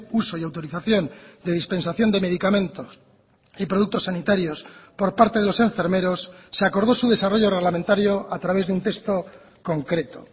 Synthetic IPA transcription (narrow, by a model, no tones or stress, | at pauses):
uso̞iawt̪o̞ɾiθaθjo̞nd̪e̞ðispe̞nsaθjo̞nd̪e̞me̞ð̞ikamẽ̞nt̪os | ipɾo̞ðuk̚t̪o̞sːanit̪aɾjo̞spo̞ɾpaɾt̪e̞ðelo̞se̞ɱfe̞ɾme̞ɾo̞sːeako̞ɾð̞o̞suð̞e̞saro̞ʝo̞re̞ɣ̞lamẽnt̪aɾjoat̪ɾaβ̞e̞zðeunt̪e̞st̪o̞ | ko̞ŋkɾe̞t̪o̰